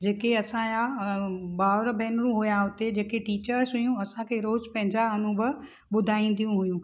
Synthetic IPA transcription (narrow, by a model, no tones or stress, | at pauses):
d͡ʑeːkeɐsãja | baːʋɾbʱɛːnɾũɦʊjaɦʊt̪ed͡ʑeːkeʈiːt͡ɕəɾsɦʊjũɐsãkʰeːɾoːzpɐ̃ɦɪ̃ɲd͡ʑaɐnũbə | ɓʊd̪ʱaːĩn̆d̪ijũɦʊjũ